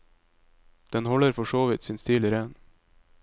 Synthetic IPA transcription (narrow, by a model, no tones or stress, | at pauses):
d̪̥ɛnɦɔlːəɾfœʂoːvɪt̪sɪnst̪iːlɪɾɛn